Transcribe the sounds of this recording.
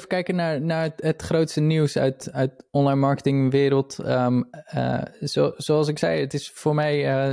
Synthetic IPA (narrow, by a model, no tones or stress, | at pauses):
fəkɛjkənːaɹnaɹətχroːtstəniwsœ̰ɥtœɥtɔnlajnmaɹkətɪŋʋɪəɾəlˠtəmə̰sosoɑlˠsɪksɛ̰jətɪsfoːɹmɛjə